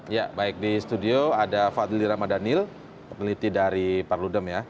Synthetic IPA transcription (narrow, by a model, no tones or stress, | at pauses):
ja̰baɪk̚dist̪udioadafad̪iliɾamadanɪl | pənəlit̪idaɾiparludəmja